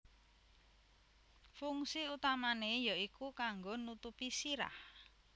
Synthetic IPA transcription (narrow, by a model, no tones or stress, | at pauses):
fuŋsiut̪amanejaʔikukaŋɡonut̪upisiɾa̰h